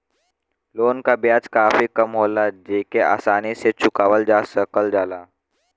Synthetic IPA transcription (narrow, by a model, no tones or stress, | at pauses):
loːnkabjad͡zkaːfiːkəmɦoːlad͡ʒeːkeʔa̰ːsaniset͡ɕukaʋəld͡ʒasəkəld͡zala